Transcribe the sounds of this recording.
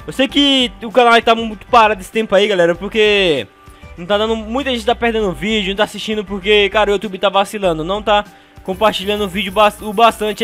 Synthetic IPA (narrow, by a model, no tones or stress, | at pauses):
ewsejkɪʊkanawk̚t̪amũj̃t̪ʊ̥paɾad̪esɪ̥t̪ẽmpʊaiɡalɛɾɐpoɾke | nɐ̃w̃t̪ad̪ɐ̃nd̪ʊmũj̃t̪ɐʒẽt͡ʃɪt̪apeɾd̪ẽnd̪ʊʊvid͡ʒʊ̃t̪asiʃt͡ʃĩnd̪ʊpoɾkekaɾɐʊut̪ubɪt̪avasilɐ̃nd̪ʊnɐ̃w̃t̪a | kõpaɾt͡ʃiʎɐ̃nd̪ʊʊvid͡ʒʊbasʊbast̪ɐ̃t͡ʃ